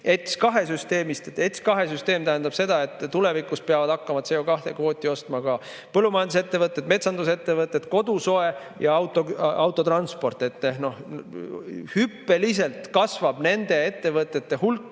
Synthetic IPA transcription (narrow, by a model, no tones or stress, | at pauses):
e̞t̪skɑɦe̞syst̪e̞ːmist̪eet̪skɑɦe̞syst̪e̞ːmt̪æɦænd̪ɑb̥se̞d̪̥ɑe̞t̪ːˑt̪ːule̞vikˑuspeɑvɑd̪ɑkːɑmɑt̪se̞okɑht̪e̞̰kvo̞ːt̪ʲːˑio̞st̪mɑkɑ | pɤlːumɑjɑnd̪uset̪ːe̞vɤt̪ːˑet̪me̞t̪sɑnd̪use̞t̪ːe̞vɤt̪ːˑet̪ko̞d̪uso̞e̞ | jɑɑwt̪ːˑoɑwt̪ːˑot̪rɑnspo̞rt̪ˑːe̞t̪ːeno̞h | hypːe̞lis̬e̞lt̪kɑsvɑb̥ne̞nd̪̥e̞e̞t̪ːe̞vɤt̪ːˑe̞t̪ːe̞hulkːˑ